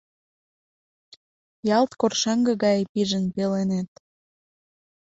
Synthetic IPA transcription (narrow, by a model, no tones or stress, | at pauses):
jɑlt̪korʃɑŋɡə̆ɣɑjpiʒənpelenet̪̚